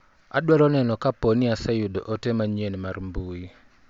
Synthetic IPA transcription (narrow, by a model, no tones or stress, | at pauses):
a̰dwalɔnɛnɔkaponɪasajudo̰ʔotemaɲenmarmbui